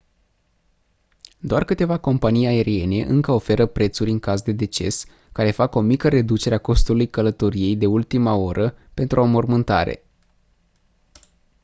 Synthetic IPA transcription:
d̪oarkɨt̪e̞vako̞mpanijae̞ɾie̞ne̞ʔɨŋkəo̞fe̞ɾəpɾe̞t̪suɾʲɨŋkazd̪e̞d̪e̞t͡ʃe̞̰s | kaɾe̞fako̞mikəɾe̞d̪ut͡ʃe̞ɾeako̞st̪ulujkələt̪o̞ɾije̞jd̪e̞ult̪imao̞ɾʔəpe̞nt̪ɾuo̞mo̞rmɨnt̪a̰ɾe̞̰

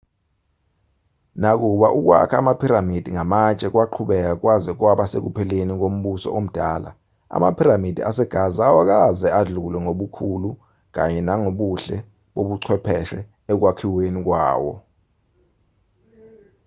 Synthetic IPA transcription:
nak̬uɓaʔuk̬wa̰kʰaːmapʰiɾamid̥ʱiŋamat͡ʃʼɛk̬waǃʰuɓɛk̬ak̬wazɛk̬waɓasḛk̬upʰɛlenik̬om̩ɓusɔ̰ʔom̩d̥ʱaːla̰ | a̰ma̰pʰiɾamid̥ʱia̰sɛɡ̥ʱazawak̬azɛaɮulwɛŋoɓukʰulu | k̬aɲɛnaŋoɓuɬɛ | ɓoɓuǀʰwɛpʰɛʃɛ | ɛk̬wakʰiwenik̬wa̰ːwɔ̰

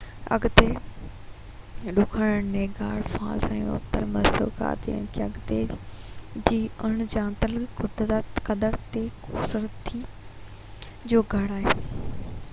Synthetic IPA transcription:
ɐ̰ɡt̪e | ɗʊkʰəɽəɽneːɡaːɽfa̰ːlsãjṵ̃ɐ̰t̪əɾmɐso̰ːka̰ːt̪ɛ̰nkʰiɐɡt̪ḛ | d͡ʑiːʊɽ̃d͡ʑãːnt̪əlkʊd̪kɐd̪əɾt̪ekuːsəɾət̪ʰːi | d͡ʑoːɡʱɐɽaːɦeː

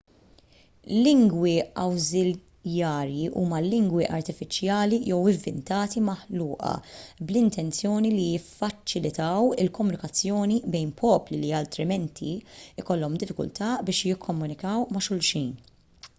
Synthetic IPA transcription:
lɪŋɡwiɐwzɪl | jɐːɾjiʔuːmɐlɪŋɡwiʔɐɾt̪ɪfɪt͡ʃjɐːlijɔwɪɱvɪ̰nt̪ɐːt̪imɐħluːʔɐ̰blɪnt̪ɛnt͡sjɔːnilijɪfːɐt͡ʃːɪlɪt̪ɐwɪlkɔmːʊnɪkɐt͡sːjɔːnibɛjnpʰɔːpliliɐlt̪ɾɪmɛnt̪ʰḭɪkɔlːɔmd̪ɪfːɪkʊ̰lt̪ɐbɪːʃjɪkʰːɔmːʊnɪkɐwmɐʃʊlʃijn

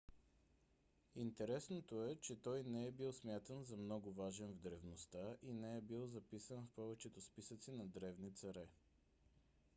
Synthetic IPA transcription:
int̪ɛɾɛsnot̪oɛt͡ʃɛt̪ɔjnɛɛbilˠsmʲjat̪ənzɐmnɔɡʊvaʒɛnvd̪ɾɛvnost̪aʔinɛɛbilˠzɐpisənfpɔvɛt͡ʃɛt̪ospisət̪sinɐd̪ɾɛvnit̪sɐɾɛ

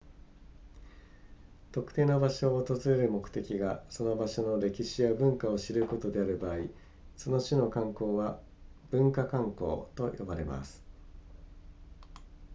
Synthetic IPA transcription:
t̪o̞kɯ̟̥t̪e̞ːnobaɕo̞ːt̪ozɨɾe̞ɾɯ̟mo̞kɯ̟̥t̪e̞kʲiɡaso̞no̞baɕo̞no̞ɾe̞kʲiɕijabɯ̟̃ŋkao̞ɕiɾɯ̟ko̞t̪o̞d̪e̞aɾɯ̟baːi | so̞no̞ɕɨno̞kãŋko̞ːβa | b̥ɯ̟̃ŋkakãŋko̞̰ːt̪o̞jo̞baɾe̞̰ma̰sɨ̥

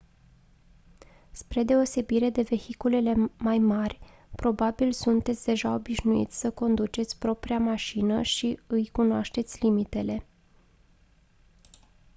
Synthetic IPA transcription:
spɾe̞d̪e̞o̞se̞biɾe̞d̪e̞ve̞hikule̞le̞majmarʲ | pɾo̞babilsunt̪e̞t̪sʲd̪e̞ʒao̞biʃnuḭt̪sʲsəko̞nd̪ut͡ʃe̞t̪sʲpɾo̞pɾiamaʃinəʃiɨjkunoaʃt̪e̞t̪sʲlimit̪e̞le̞

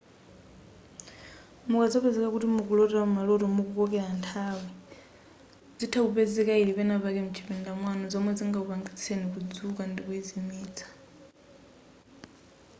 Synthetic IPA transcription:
mukad͡zɔpɛzɛkakutimukulɔtɛɾamumalɔtɔmukukɔkɛlantʰaːwi | d͡zitʰaupɛzɛkailipɛnapakɛmut͡ʃʰi̥pindamwanɔd͡zɔmwɛd͡ziŋɡaupaŋɡit͡sʰenikud͡zukandikuɛzimiːt͡sʰḁ

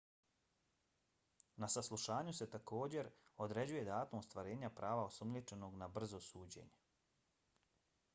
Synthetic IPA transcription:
nasaslˠuʃaːɲuse̞t̪ako̞ːd͡ʑe̞ɾo̞d̪ɾe̞d͡ʑuje̞d̪aːt̪omust̪ʋaɾe̞ːɲapɾʔaːʋaosumlʲit͡ʃe̞no̞ɡnabr̩zo̞suːd͡ʑḛɲe

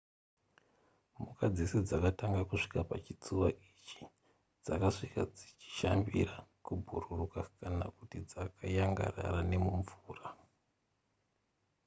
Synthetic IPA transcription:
mukad͡zised͡zakataŋɡakuʂi̥kapat͡ʃit͡suwaʔit͡ʃi̥ | d͡zakaʂikad͡zit͡ʃi̥ʃambḭɾakubʱuɾurukakanakutid͡zakʰajaŋɡa̰ra̰ɾane̞muɱvuːra

